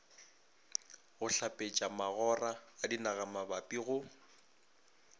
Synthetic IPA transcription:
ɣʊɬapʼet͡ʃʼamaɣɔraːdinaɣamabapʼiɣʊ

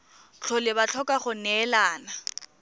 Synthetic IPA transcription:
t͡ɬʰɔlɪbat͡ɬʰɔkʼaχʊnɛlaːna

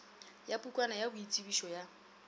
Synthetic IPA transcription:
japʼukʼwanajabʊit͡sʼibiʃɔja

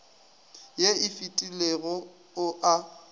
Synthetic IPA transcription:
jeɪfitʼileɣɔ | ʊʔa

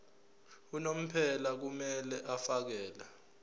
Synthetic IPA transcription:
unom̩pʰɛlak̬umɛlɛʔafak̬ɛːla

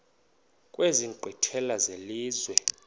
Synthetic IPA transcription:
kʼweziɡ͡ǃʱwitʰɛlazeliːzwɛ

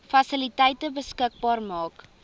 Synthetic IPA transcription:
fɐsilitɛjtəbəskək̚bɑːrmɑːk

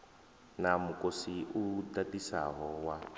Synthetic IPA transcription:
namukosiʔudatisa̰ɦɔwa

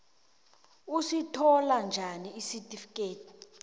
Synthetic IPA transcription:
usitʰɔland͡ʒʱaniisitʼifi̥kʼeːtʰi̥

